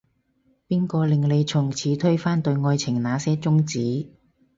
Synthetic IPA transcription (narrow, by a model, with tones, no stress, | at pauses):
piː˥nkɔː˧lɪ˨ŋle˨˧jt͡sʰʊ˨˩ŋt͡sʰiː˨˥t̪ʰɵ˥ɥfaː˥nt̪ɵ˧ɥŋɔː˧jt͡sʰɪ˨˩ŋnaː˨˧sɛː˥t͡sʊ˥ŋt͡siː˨˥